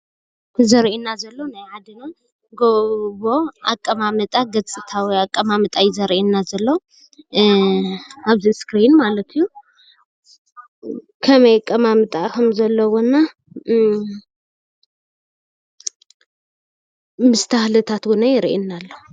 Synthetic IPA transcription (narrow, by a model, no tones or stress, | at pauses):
zɐɾʔinːazɐlːonajhad̪ɨno | ɡoβoakʼːɐmamɨt̪ʼaɡɐt͡sʼɨt̪ʰawijakʼːɐmamɨt̪ʼajɪzɐɾʔinːazɐlːow | aβziskɾinmalɐt̪ʰɨjːu | kʰɐmɐjkʼɐmamɨt̪ʼakʰɐmzɐlːɐwonːa | mɨst̪ʰahlɨt̪ʰat̪ɡunajɪɾʔḭnːalːo